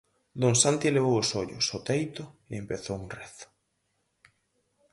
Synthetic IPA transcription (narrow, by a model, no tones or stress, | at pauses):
d̪onsant̪ileβ̞owosoʎʊ̰sot̪ejt̪ʊeempeθowunrɛθʊ̥